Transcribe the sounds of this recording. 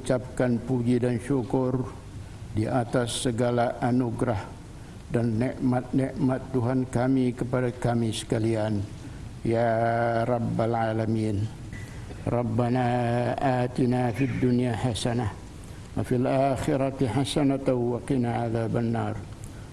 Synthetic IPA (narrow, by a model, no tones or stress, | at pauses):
t͡ʃap̚kanpuɡidanʃukʊr | diʔat̪asːəɡalaʔanuɡɾah | danːiʔmat̪̚niʔmat̪ːuɦankamikəpadakamisə̥kalian | jaɾˤɑbːalʕalamin | rɑbːanaʔaːt̪inafid̪ːunijahasanah | wafilʔaxiɾat̪iħasanat̪awwaqinaaðabənar